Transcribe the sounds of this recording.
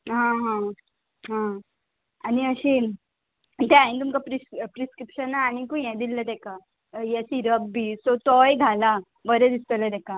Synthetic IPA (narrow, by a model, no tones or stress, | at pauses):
ɦãɦã | ɦã | aniəɕiː | t̪ɛajnt̪umkapɾipɾiskɾipɕənːaːñikũjɛ̃d̪ilːət̪ɛka | jɛɕiːɾəbːisot͡sɔjɡʱala | bəɾɛd̪ist̪ələd̪ɛka